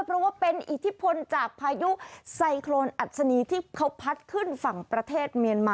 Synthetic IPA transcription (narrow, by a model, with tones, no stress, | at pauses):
pʰɾɔ˦˥waː˥˩pe˧nʔi˨˩t̪ʰi˦˥pʰo˧nt͡ɕaː˨˩k̚pʰaː˧ju˦˥sa˧jkʰloː˧nʔa˨˩t̪̚sa˧niː˧t̪ʰiː˥˩kʰa˦˥wpʰa˦˥t̪̚kʰɯ˥˩nfa˨˩ŋpɾa˧t̪ʰeː˥˩t̪̚mi˧ənmaː˧